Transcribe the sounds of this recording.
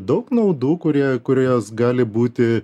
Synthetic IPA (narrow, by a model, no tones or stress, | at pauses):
d̪ɐʊknɐʊd̪uːkʊɾʲiɛkʊɾʲoːjoːsɡɑːlʲɪbuːt̪ʲɪ